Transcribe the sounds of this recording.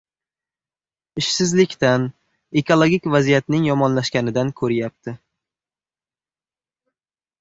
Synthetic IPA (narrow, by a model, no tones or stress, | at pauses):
ɪʃsɪzlɪkʲt̪an | e̞kʰolˠoɡʲikʲvazijat̪nɪŋjɒmɒnlaʃkʲanɪd̪ankʰɵɾɪjap̚t̪ʰɪ